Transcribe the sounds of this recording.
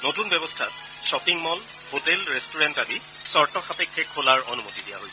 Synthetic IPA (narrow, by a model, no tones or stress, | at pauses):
notunbɛbɔstʰa̰t | ʃɔpiŋmɔl | hotɛlɹestuɹɛntali | sɔɹtɔxapekʰːɛkʰːolaɹo̰numotidija̰ɦojsɛ